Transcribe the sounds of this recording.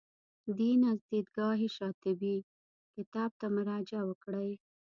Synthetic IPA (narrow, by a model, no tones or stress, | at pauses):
d̪inazd̪id̪ɡɑɦiʃɑt̪ɪbi | kɪt̪ɑb̚t̪amʊɾɑd͡ʒawəkɽaj